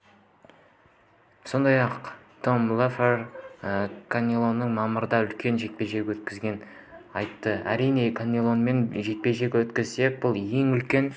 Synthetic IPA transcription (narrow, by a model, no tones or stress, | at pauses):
so̞nd̪ɑjɑq | t̪ʰo̞mlˠafer | kʰanʲːilˠo̞nːəɴmɑməɾəd̪ɑʏlkʲe̞nʒe̞t̪̚pe̞ʒe̞ɡʲwɵt̪kʲɪzɡʲe̞n | ɑjt̪ːəæɾijne̞kʰanʲːilˠo̞nme̞nʒe̞t̪̚pe̞ʒe̞ɡʲwɵt̪kʲɪzse̞k̚bʊlˠje̞ŋʏlkʲe̞n